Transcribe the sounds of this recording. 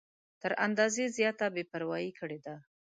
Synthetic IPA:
t̪əɾa̰nd̪ɑzezjɑt̪abepaɾwɑjikʰəɽed̪a

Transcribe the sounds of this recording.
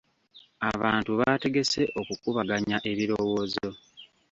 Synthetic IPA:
aβaːntuβate̞ɡe̞se̞ʔo̞kukuβaɡaɲaʔe̞βiɾowo̞ːzo̞

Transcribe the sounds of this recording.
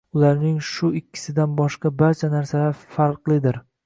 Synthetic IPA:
ʊlaɾnɪŋʃʊɪkʲʰːɪ̥sɪd̪anbɒʃqɑbaɾt͡ʃʰanaɾsalaɾfaɾqlˠɪd̪ɪɾ

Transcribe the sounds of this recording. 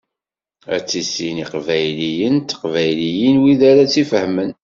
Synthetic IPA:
æ̰t͡sːisiniqvæjlijənt̪ːə̥qvæjlijənwiðaɾat͡sːifəhmən

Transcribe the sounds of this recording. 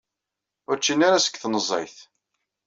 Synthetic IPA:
ʊɾt͡ʃːinaɾasə̥kːθnəzˤɑjθ

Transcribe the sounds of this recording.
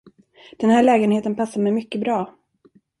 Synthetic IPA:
d̪̥ɛnhæːɭɛːɡənheːt̪ənpʰasːaɾmɛjmʏkːəbɾɑː

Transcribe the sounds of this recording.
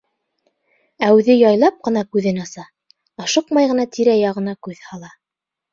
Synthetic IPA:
æwðɘjɑjlˠɑp̚qɤ̆nɑkʉðɘnɑsɑː | ʃɤqmɑjʁɤ̆nɑt̪ʰiɾæjɑʁɤ̆nɑkʉðhɑlˠɑ

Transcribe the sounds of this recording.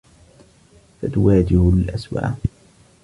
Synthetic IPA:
fat̪ʊwaːd͡ʒɪhʊlʔaswa̰ːʔ

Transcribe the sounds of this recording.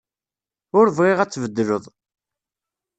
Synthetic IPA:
ʊɾvʁɪʁæt͡sːvəd̪ːɾəðˤ

